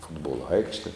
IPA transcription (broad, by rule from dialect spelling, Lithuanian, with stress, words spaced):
ˈfʊdboːlˠoː ˈɐɪkʃʲtʲɛ